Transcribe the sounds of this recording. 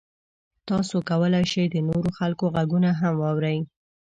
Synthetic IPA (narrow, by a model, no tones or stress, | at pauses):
t̪ɑsokawəlajʃejd̪ənoɾoxalkoɣaɡunaɦamwɑwɾaj